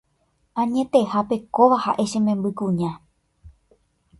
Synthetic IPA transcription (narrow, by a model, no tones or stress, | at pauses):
ãɲẽ̞t̪e̞hape̞koʋahaʔe̞ʃẽmẽmbɨkũɲã